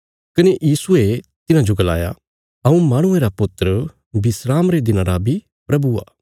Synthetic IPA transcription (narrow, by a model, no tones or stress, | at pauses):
kɐnejiːsʊet̪ɪnãd͡ʒoɡɐla̰ːja̰ | ɐũmaːɽ̃ʊeɾapʊt̪ɾə | bɪsɾaːmɾed̪ɪnãɾabʱi | pɾɐbua̰ː